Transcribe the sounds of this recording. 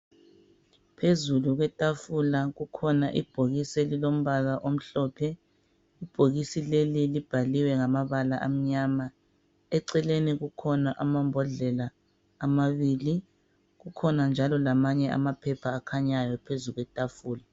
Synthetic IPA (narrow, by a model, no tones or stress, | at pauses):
pʰezuluɣwɛtʼafulaɣukʰɔnaʔib̥ʱoɣiselilom̩βaɣaʔom̩ɬɔpʰɛ | ib̥ʱoɣisilelilib̥ʱaliwɛŋamaβalaʔam̩ɲama | ɛǀɛleniɣukʰɔnaʔamambʱɔɮɛlaː | maβiːli | ɣukʰɔnand͡ʒʱalɔlamaɲɛʔa̰mapʰɛpʰaːkʰaɲajɔpʰezuɣwɛtʼafuːla